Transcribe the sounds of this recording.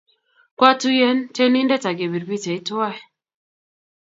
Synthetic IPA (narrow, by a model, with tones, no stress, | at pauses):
kwa˦tu˦jɛ˦nte˦ni˦ndɛ˦ta˨ɡe˨bi˨ɾbi˦˨tɛ˨i˦twa˦˨